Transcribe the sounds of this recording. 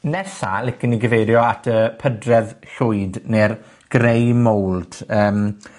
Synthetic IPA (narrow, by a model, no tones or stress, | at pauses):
nɛsa̰lˠɪkəniɡəvejɾjɔatʰəpʰədrɛðɬʊɨdner | ɡ̥rejmowlˠdəːm